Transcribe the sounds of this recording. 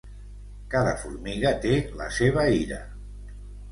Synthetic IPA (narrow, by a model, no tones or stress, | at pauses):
kaðəfuɾmiɣət̪eləseβ̞əiɾə̰